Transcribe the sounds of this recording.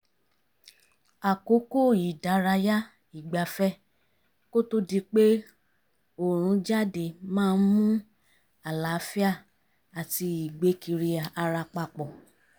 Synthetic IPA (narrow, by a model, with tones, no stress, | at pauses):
a˨ko˨˦ko˦˨i˨da˨˦ɾa˧ja˦ | i˨ɡ͡ba˨˦fɛ˦ | ko˦to˦di˧k͡pe˦ | o˨ɾ̃ũ˨˧˦d͡ʒa˦de˨mãː˦˧n̩˦mũ˦ | a˨la˨˦fi˦a˦˨ | a˨ti˧i˨ɡ͡be˧˦ki˧ɾi˧a˨ʔa˧ɾa˧k͡pa˧k͡pɔ˨